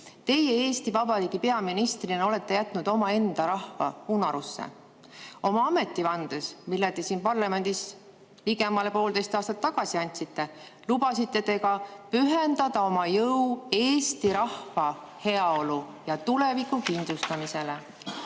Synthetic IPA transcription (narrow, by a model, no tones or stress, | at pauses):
t̪e̞je̞e̞ːst̪ivɑbɑɾiːɡ̥ipe̞ɑminist̪rineo̞let̪ːe̞jæt̪ːˑnud̪̥o̞mɑe̞nd̪̥ɑɾɑhvɑ̰unɑɾusːḛ | o̞mɑɑme̞t̪ˑːivɑnd̪̥e̞smilːet̪e̞siːnpɑrlɑme̞nʲd̪̥is | piɡe̞mɑle̞po̞ːld̪e̞jst̪ɑːst̪ɑt̪ːɑɡ̥ɑsiɑnʲt̪sit̪ːe̞lubɑsit̪ːe̞t̪e̞kɑpyɦe̞nd̪̥ɑd̪̥ɑo̞mɑjɤwe̞ːst̪iɾɑhvɑ | he̞ɑo̞lu | jɑt̪ulevikːˑukind̪lust̪ɑmise̞le